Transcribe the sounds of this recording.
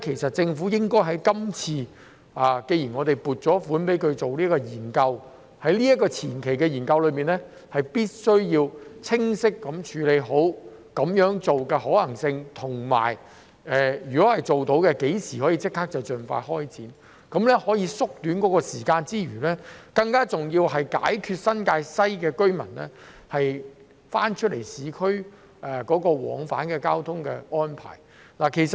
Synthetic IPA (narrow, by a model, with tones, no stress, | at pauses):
kʰe˨˩jsɐ˨t̚t͡sɪ˧ŋfuː˨˥jɪ˥ŋkɔː˥jɦɐ˨˥jkɐ˥mt͡sʰiː˧ | ʔaː˨ke˧jiː˨˩nŋɔː˨˧t̪e˨jpuː˨˩t̚t͡sɔː˨˥fuː˨˥npe˨˥jkʰɵ˧ɥt͡so˨wliː˥kɔː˧jiː˨˩nkɐ˧w | hɐ˨˥jliː˥ɐ˥t̚kːɔː˧t͡sʰiː˨˩nkʰe˨˩jkɛ˧jiː˨˩nkɐ˧wlɵ˨˧miː˨˩nlɛ˥ | hɐ˨jpiː˥t̚sɵ˥ɥjiː˧wt͡sʰɪ˥ŋsɪ˥kːɐ˨˥mt͡ʃʰyː˨˧˥le˨˧jɦo˨˥w | kɐ˨˥mjœː˨˥ŋt͡so˨wkɛ˧hɔː˨˥lɐ˨˩ŋsɪ˧ŋt̪ʰʊ˨˩ŋma̰ː˨˩j | ɛː˨jɥyː˨˩kɔː˨˥hɐ˨jt͡so˨wt̪o˨˥wkɛ˧ke˨˥jsiː˨˩hɔː˨˥jiː˧t͡sɪ˥kʰːaː˥k̚t͡sɐ˨wt͡sɵ˨nfa̰ː˧hɔː˥jt͡siː˨˥n | kɐ˨˧˥mlɛ˥hɔː˨˥jiː˧sʊ˥k̚t̪yː˨˥nkɔː˨˥kɔː˧siː˨˩kaː˧nt͡siː˥ɥyː˨˩lɛː˥kɐ˧ŋkaː˥t͡sʊ˨ŋjiː˧wɦɐ˨jka̰ː˨˥jkʰyː˧t̚sɐ˥nkaː˧jsɐ˥jkɛː˧kɵ˥ɥmɐ˨˩nlɛː˥ | hɐ˨j | faː˥nt͡ʃʰɵ˥lḛ˨˩jsiː˨˥kʰɵ˥ɥ | ʔɛ˨kɔː˨˥kɔː˧wɔ̰ː˨˥ŋfa̰ː˨˥nkɛː˧kaː˥wt̪ʰʊ˥ŋkɛː˧ɔː˥npʰa̰ː˨˩j | laː˨˩kʰe˨˩jsɐ˨˩t̚